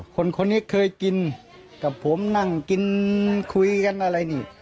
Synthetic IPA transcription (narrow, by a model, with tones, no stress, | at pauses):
kʰo˧˨nkʰo˧nːiː˦˥kʰɤː˧jki˧n | ka˧˩pʰo˨˦mna˧˩ŋki˧nkʰu˧jka˧nʔa˧ɾa˧jniː˧˩